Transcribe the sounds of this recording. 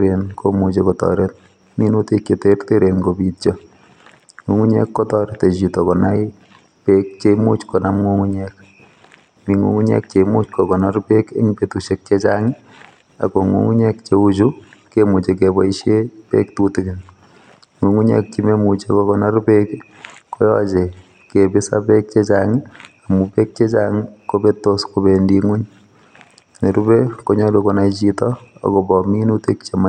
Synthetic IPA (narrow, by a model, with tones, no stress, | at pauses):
ɾenkʰomu˨t͡ʃekɔtɔ̰ɾet̚ | mi˦nu˦tekje˨terte˦ɾenkopitt͡ʃo | ŋu˨ŋu˦ɲɛ̰˦kːɔ˦tɔ˦ɾe˦te˨t͡ʃitokɔna˦i | pek̚t͡ʃemu˦t͡ʃkɔ˨namŋuŋuɲɛk̚ | mi˨ŋṵŋu˦ɲɛ̰˦k̚t͡ʃe˨mu˦t͡ʃkokɔ˨narpe˦ke˦ŋipe˨tuʃek̚t͡ʃet͡ʃaŋɪ | a̰˨ko˨ŋṵ˨ŋu˦ɲɛ˦kt͡ʃeut͡ʃu˦kemu˨t͡ʃe˨kebɔ˦i˦ʃe˦pḛ˦ktutikɪ˨n | ŋu˨ŋu˦ɲe˦k̚t͡ʃi˦me˦mut͡ʃekokɔna˦ɾpek | ko˦jɔt͡ʃe˨ | ke˨bɪ˦sa̰pe˦k̚t͡ʃe˦t͡ʃaŋɪ˦a˨mupe˦k̚t͡ʃe˦t͡ʃaŋiko˦be˦tːo˦sko˨bendiŋu˦ɲ | ne˨ɾu˦be˦ko˦ɲɔ˦lukona˨it͡ʃitɔ˦a̰˨ko˨bɔmi˦nu˦te˦k̚t͡ʃe˨ma˦